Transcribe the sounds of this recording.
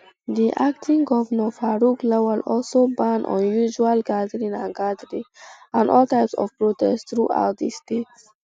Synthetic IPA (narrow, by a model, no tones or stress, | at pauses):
d̪iʔaktʰĩŋɡɔvənə̃faɹuklɛwɔlɔlsobãnɔ̰̃njuʒualɡadəɹĩnãnɡadəɹiãnɔltaɪpsɔ̰v̥pɹotɛ̰st̪ɹuʔa̰ʊt̚d̪istets